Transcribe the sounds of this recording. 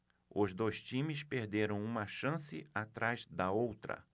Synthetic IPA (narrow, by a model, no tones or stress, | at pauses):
ʊzd̪ojst͡ʃĩmɪspeɾd̪eɾɐ̃w̃ũmɐʃɐ̃sɪat̪ɾajzd̪ɐowt̪ɾɐ̰